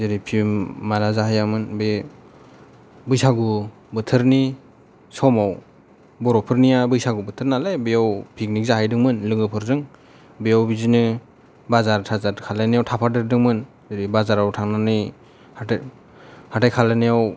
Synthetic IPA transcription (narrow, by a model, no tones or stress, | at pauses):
zɯɾipʰimaɾazaɦajamɯnbe | bɯjsaɡu | bɯtʰɯɾni | sɔmaw | bɔɾɔpʰɯɾnijabɯjsaɡubɯtʰɯɾnalebɯjawpʰik̚nik̚zaɦajdɯŋmɯnlɯŋɡɯpʰɯɾzɯŋ | bejawbizinɯ | bazaɾtʰazakʰalenijawtʰapʰadɯɾdɯŋmɯn | zɯɾibazaɾawtʰaŋnanɯj | a | hatʰajkʰalɯnijaw